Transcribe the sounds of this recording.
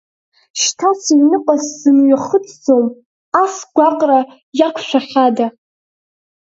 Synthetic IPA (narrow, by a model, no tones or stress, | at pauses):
ʃtʰasinɨqʷʼasz̥ɨnɥaχət͡sʼd͡zom | asɡʷaqʼra | jakʷʰʃʷᶣaħada